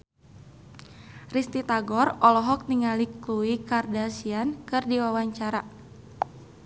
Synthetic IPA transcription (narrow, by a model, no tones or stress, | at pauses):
rist̪it̪aɡɔrɔlɔɦɔk̚niŋalikluikardasiankɨrdiwawaɲt͡ʃaɾa